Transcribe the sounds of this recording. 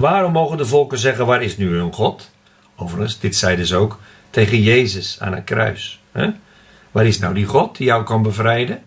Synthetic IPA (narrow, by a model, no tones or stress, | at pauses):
ʋaːɾɔmːoːɣəndəvɔlˠkəzɛɣəʋatɪsnyənχɔt | owvərχənsdɪtsɛjdʏsowk | teːɣənjeːzəsa̰ːnə̰t̚krœ̰ɥshɛ̰ | ʋatɪsnawdiχɔt̚dijawkɔnbəvrɛjdə